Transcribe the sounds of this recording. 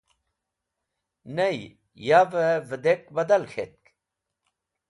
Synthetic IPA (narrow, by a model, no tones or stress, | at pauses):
nej | javəvəd̪ekbɐd̪ɐlxʰḛt̪̚k